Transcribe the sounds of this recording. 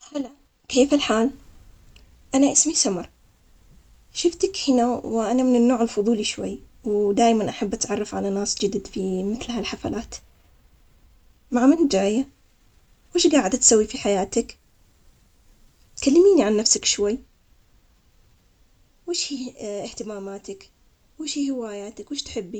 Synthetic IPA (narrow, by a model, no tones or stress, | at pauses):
hala | keːfalħaːl | ʔanaʔɪsmisamɑɾˤ | ʃɪft̪akhɪnawʔanamɪnɪnːoːʕɪlfʊðˤuːliʃwa̰jː | wd̪aːjmanʔaħabːʔat̪ʕɑrˤːɑfʕalanaːsd͡ʒɪd̪d̪fimɪθlhalħafa̰laːt̪ | maʕmɪnd͡ʒaːja | wɪːʃɡaːʕɪd̪at̪sawːifiħajaːt̪ak | t̪kalːamiːniʕanːafsakʃwajː | weːʃhiɪht̪ɪmaːmaːt̪ak | wɪːʃhiːhɪwaːjaːt̪akwɪːʃt̪ħɪbːi